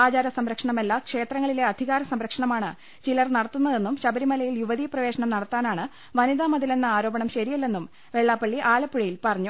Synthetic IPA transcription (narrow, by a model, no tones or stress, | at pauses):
aːd͡ʑaːɾɐsɐmɾɐkʂɐɳɐmelːɐkʂe̞ːt̪rɐŋːɐɭile̞ɐd̪ʱiɣaːɾɐsɐmɾɐkʂɐɳɐmaːɳɨ | t͡ɕilɐrnɐɽɐt̪ːunːɐðe̞nːumɕɐbɐɾimɐlɐjiljuʋɐðiprɐʋe̞ːɕɐɳɐmnɐɽɐt̪ːaːnaːɳɨ | ʋɐniðaːmɐðile̞nːɨaːɾo̞ːbɐɳɐmɕɐɾijɐlːe̞nːum | ʋe̞ɭːaːpːɐɭːiʔaːlɐpːuɻɐjilpɐrɐɲːu